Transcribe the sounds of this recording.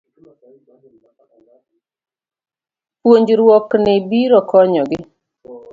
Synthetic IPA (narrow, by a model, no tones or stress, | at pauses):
pwoɲd͡ʒɾwɔknɪbiɾɔkɔɲɔɡɪ